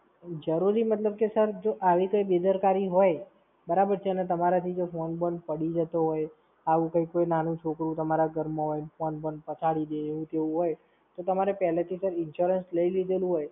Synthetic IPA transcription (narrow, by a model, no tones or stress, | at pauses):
d͡ʒəɾuɾimət̪ləb̚kesəɾd͡ʒoʔaʋikəjbed̪əɾkaɾiɦoj | bəɾabəɾt͡ʃʰeənet̪əmaɾat̪ʰid͡ʒofonbən̚pəɽid͡ʒət̪oɦoj | aʋũkəjkːojnanũt͡ʃʰokɾũt̪əmaɾaɡəɾmõɦojfonbən̚pət͡ʃʰaɽid̪eːʋũt̪eʋũɦoj | t̪ot̪əmaɾepɛɦlet̪ʰisəɾɪnʃɔɾənsləilid̪elũɦoj